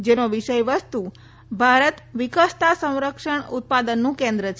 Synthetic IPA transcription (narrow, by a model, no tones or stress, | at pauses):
d͡ʒenoʋiʃəjʋəst̪u | bʱaɾət̪ʋikəst̪ʰasə̃w̃ɾəkʂəɳut̪̚pad̪ənːũkẽnd̪ɾət͡ʃʰ